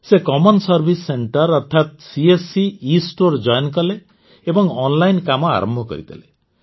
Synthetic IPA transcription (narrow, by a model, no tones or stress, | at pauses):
sekɔmɔnsɔɾbʱisːeɳʈɔɾɔɾt̪ʰat̪̚siesiisʈoɾd͡ʒɔjɔnkɔle | ebɔŋɔnlajnkamɔa̰ɾɔ̰mbʱɔkɔ̰ɾit̪ʰa̰le